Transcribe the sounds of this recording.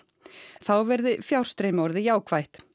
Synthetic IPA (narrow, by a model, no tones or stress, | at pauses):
θawvɛɾðʏfjawr̥st̪ɾeːjmɔɾðɪjaːwkʰv̥ajht̪